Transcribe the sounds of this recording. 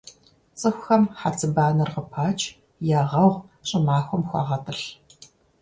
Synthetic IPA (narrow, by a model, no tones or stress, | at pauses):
t͡sʼɨxʷxɐmħat͡sʰɨbaːnɐrqəpʰaːt͡ʃʰʼ | jaːʁɐwʁɕʼɪmaːxʷɔmxʷɑ̰ːʁɐtʰʼɨɬ